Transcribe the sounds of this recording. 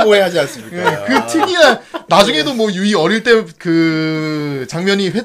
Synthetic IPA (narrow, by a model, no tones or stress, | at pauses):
oeɦad͡ʑians͈ɯmɲijekɯtʰɯɡianad͡ʑuŋe̞domwʌjuiʌɾiɭt͈e̞kɯ | t͡ɕaŋmʲjʌɲiɸwe